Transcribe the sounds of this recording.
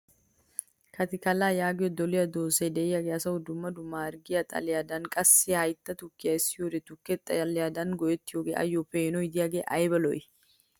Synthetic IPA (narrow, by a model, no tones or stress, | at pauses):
kɐt̪ɪkɐlaːjaːɡɪjɔd̪ɔlɪjɐd̪oːsed̪ɛɪjɐɡeɐsɐʊd̪ʊmːɐd̪ʊmaːɾɡɪjɐt̪ʼɐ̰lɪjad̪ɐnkʼɐsːɪjɐjt̪ːɐt̪ʊkːɪjɐɪsɪjoɾɛt̪ʊkːɛt̪ʼːɐjɐlɪjaːd̪ɐnɡɔjɛt̪ːɪjoːɡeːʔɐ̰jːopeːnɔjɪd̪ɪjaːɡeːʔɐjbɐlɔ̰j